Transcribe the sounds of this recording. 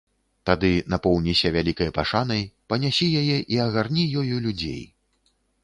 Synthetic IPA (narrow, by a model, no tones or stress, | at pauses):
t̪ad̪ɨnɐpɔwnʲisʲɐvʲalʲikɐjpaʂanɐjpɐnʲasʲijajɛʔiɐɣarnʲijɔjulʲud͡zʲḛj